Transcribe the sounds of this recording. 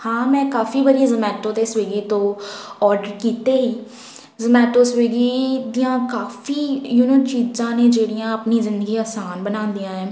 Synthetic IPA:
hãːmɛ̃ːkaːfiːbəd̪izəmɛːʈõːd̪eːsʋeːɡiːt̪õːɔːɾɖəɾkiːt̪eːɦiː | zəmɛːʈoːsʋeːɡiːd̪iːãːkaːfiːjuːnot͡ʃiːzãːneːd͡ʒeːɽijãːəpniːzɪ̃nd̪əɡiːaːsaːnbənãːnd̪ijãːɛː

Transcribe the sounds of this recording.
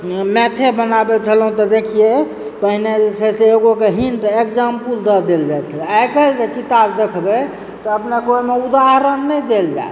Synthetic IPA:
mɛt̪ʰebənabet͡ʃʰəlɦũt̪ɔd̪ekʰije | pəɦined͡ʒet͡ʃʰɛseːɡokeɦinʈəekd͡ʒampuld̪əd̪eld͡ʒajt͡ʃʰəlajkəld͡ʒekit̪abd̪ekʰbe | t̪ɔəpnekoimeud̪aɦɾənːəjd̪eld͡ʒa̰e

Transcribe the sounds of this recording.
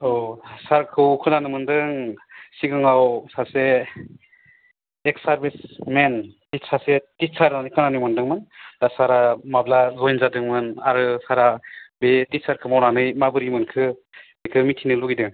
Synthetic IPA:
ɔsaɾkʰɯwkʰɯnanɯmɯndɯŋsiɡɯŋawsase | eksaɾbismentisasetisaɾnanɯjkʰɯnanɯjmɯndɯŋmɯndasaɾamablazɔjnzadɯŋmɯnaɾɯsaɾabetisaɾkʰɯmawnanɯjmabɯɾimɯnkʰɯmikʰɯmitʰinɯluɡidɯŋ

